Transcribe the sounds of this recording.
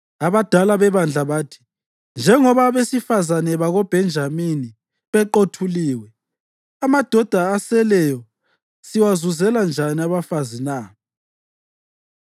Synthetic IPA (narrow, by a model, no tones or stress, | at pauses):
aβad̥ʱalaβɛβand͡ɮʱaβaːtʰi̥ | nd͡ʒʱɛŋɔβaβesifazanɛβaɣɔb̥ʱɛnd͡ʒʱamini | βɛǃotʰuliːwɛ | amad̥ʱɔd̥ʱaːsɛlɛjɔ | siwazuzɛland͡ʒʱaniaβafazinaː